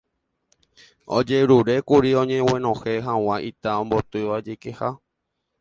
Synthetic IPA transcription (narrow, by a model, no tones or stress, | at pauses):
o̰d͡ʒeɾuɾe̞kuɾiõɲẽwẽnõheɦãw̃ãʔit̪aõmbot̪ɨʋad͡ʒekeha